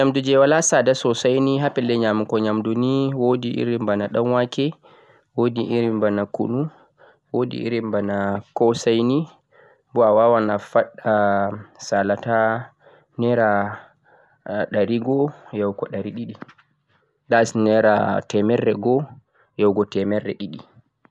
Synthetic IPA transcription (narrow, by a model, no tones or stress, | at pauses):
ɲamdud͡ʒɛwalasadasɔsajniɦapɛlːɛɲamukɔɲamduniwodiʔḭɾimbanaɗamwakɛ | wodiʔiɾimbanakṵnu | wodḭʔḭɾimbanakɔsajni | mbɔawawanafaɗːasalata | nɛɾa | ɗaɾiɡɔjɛwkɔɗaɾiɗiɗi | dasnɛɾa̰tɛmɛrːɛɡɔ | jɛwɡɔtɛmɛrːɛ̰ɗiɗi